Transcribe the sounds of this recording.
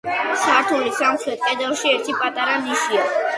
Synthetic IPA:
saɾt̪ʰulisamχɛt̪̚k̪ʼɛd̪ɛlˠʃiɛɾt̪ʰipʼat̪ʼaɾaniʃia

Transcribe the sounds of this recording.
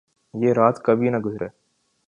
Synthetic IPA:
jeːɾaːt̪kəbʱinɐɡʊzɾeː

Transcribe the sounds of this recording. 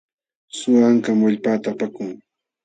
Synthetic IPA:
sʊaŋkamwaʎpaːt̪aːpakʊŋ

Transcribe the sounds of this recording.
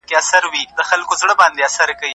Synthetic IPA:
keasaɾwid̪̥əxalkozɽəbɑnd̪easaɾkawi

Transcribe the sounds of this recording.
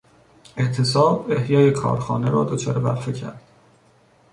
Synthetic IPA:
e̞ʔt̪ʰe̞sɒːbe̞hjɒːje̞kʰɒ̰ːɾxɒ̰ːne̞ɾɒːd̪ot͡ʃʰɒːɾebæ̰ɾfecʰæ̰ɾd̪̥

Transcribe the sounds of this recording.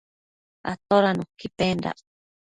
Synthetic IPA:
a̰t̪oɾanũkipenɾa̰

